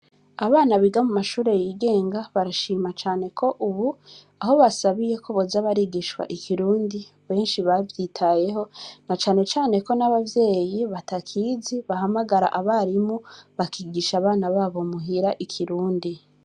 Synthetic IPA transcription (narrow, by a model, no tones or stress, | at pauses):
aβaːnaβiɡamumaʃuːɾe̞jiːɡe̞ːŋɡaβaɾaʃiːmat͡ʃaːne̞kʰo̞ʔuβu | aɦo̞βasaβije̞kʰoβozaβaɾiɡiʃwa̰ʔikʰiɾuːndi | βe̞ːnʃiβavjiːtʰaje̞ɦo̞nat͡ʃaːne̞t͡ʃaːne̞ko̞naβavje̞ːjiβatakʰiːziβaɦamaɡaɾa̰ʔaβaɾimuβakiɡiʃaːβaːnaβaːβo̞muɦiɾaʔikʰiɾuːndi